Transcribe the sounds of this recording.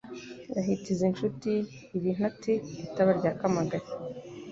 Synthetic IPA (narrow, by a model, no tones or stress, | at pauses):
jaɦitizenʃutiː | βin̥hatiitaβaɾɟaːkamaɡaɾi